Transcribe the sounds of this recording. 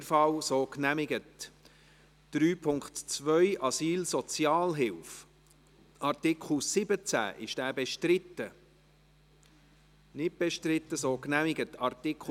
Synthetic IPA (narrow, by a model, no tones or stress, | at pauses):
ɾfɑwsoːknæmɪɡət | d̥ɾyːpʰʊŋkχtt͡svœʏʔɑsiːlsɔt͡sjɑːlɦɪlf | ʔɑrtɪkʰl̩sɪbət͡sæ̰ʔɪʃd̥æːbɛʃtɾɪt̪ːə | nɪt̚b̥ɛʃtɾɪtːəsoːknæmɪɡətɑrt̪ɪkχ